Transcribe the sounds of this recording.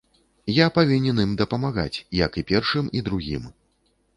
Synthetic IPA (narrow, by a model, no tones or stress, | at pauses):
japavʲinʲɛnimd̪ɐpɐmaɣa̰t͡sʲjɐkipʲɛrʂɨmid̪ɾuɣʲḭm